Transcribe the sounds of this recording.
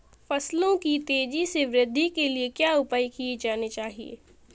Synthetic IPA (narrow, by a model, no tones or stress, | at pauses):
fɐslõkit̪eːd͡ʒiseʋɾɪd̪ʱːikeliekjaːʊpaːjkied͡ʒaːnet͡ʃaːɦiḛː